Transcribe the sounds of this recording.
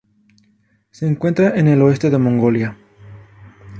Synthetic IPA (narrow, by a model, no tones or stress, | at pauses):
seːŋkwe̞nt̪ɾaʔenelo̞e̞st̪eðe̞mõŋɡo̞lja